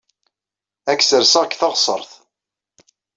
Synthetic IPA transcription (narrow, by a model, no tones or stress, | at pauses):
ækːsəɾsəʁkθɑʁsˤə̰ɾˤθ